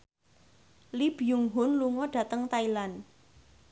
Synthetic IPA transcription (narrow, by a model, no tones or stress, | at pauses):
lib̥ijuŋɦʊnluŋɔɖ̥ä̤t̪əŋt̪ailan